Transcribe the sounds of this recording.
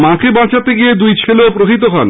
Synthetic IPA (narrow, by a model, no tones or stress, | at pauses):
mãkebãt͡ɕat̪eɡied̪ujt͡ɕʰeleopɾoɦit̪okʰɔ̰n